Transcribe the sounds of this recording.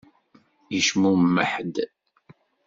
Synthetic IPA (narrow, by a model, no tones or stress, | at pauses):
jəʃmumːə̰ħd̪